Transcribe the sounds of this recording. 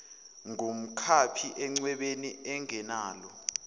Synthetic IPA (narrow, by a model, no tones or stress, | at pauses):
ŋum̩kʰapʰiʔɛŋ͡ǀwɛɓeniɛŋɛnaːlɔ